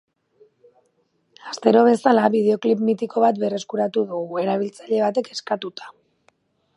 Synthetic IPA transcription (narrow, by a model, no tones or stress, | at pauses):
ast̪e̞ɾo̞β̞e̞salaβið̞e̞o̞klipmit̪iko̞βat̪be̞re̞skuɾat̪uðuɣue̞ɾaβ̞ilt͡saʎe̞βat̪e̞ke̞skat̪ut̪ʰḁ